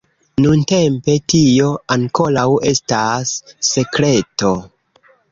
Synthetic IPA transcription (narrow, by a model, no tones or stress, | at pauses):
nunte̞mpe̞tio̞aŋko̞lawe̞stasːe̞kɾe̞to̞